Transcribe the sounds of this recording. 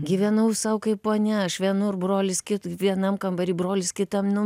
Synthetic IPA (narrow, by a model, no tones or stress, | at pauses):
ɡʲiːʋʲɛnɐʊsɐʊkɐɪpoːnʲɛɐʃʋʲiɛnʊrbroːlʲɪskʲɪt̪ʋʲiɛnɐmkɐmbɐɾʲiːbroːlʲɪskʲɪt̪ɐmnʊ